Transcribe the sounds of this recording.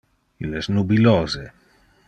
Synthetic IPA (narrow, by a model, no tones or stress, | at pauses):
ileznubilɔːze